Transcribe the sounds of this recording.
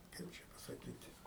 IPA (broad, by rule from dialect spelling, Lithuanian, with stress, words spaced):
ˈkɐɪp t͡ʃʲɛ pɐsɐˈkʲiːtʲɪ